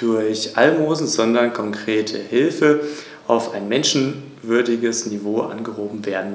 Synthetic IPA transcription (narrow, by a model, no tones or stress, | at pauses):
d̥ʊɐçʔa̰lmoːzn̩zɔndɐnkʰɔŋkʁ̥eːtʰə̰hɪlfə | ʔaʊfaɪnmɛnʃn̩ | vʏɐdɪɡəsnivoːʔa̰nɡəɦoːbm̩veːɐdn̩